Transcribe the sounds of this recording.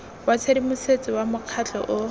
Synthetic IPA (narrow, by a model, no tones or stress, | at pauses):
wat͡sʰedimʊset͡sʼɪwamʊq͡χʰat͡ɬʰʼɔ̰ʔʊ